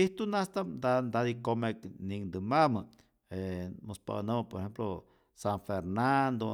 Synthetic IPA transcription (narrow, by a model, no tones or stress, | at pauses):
iht̪unast̪ad̪and̪ad̪ikomeknind̪ɨmamɨ | emospa̰nəməpoɾehemplo | saɱfeɾnand̪o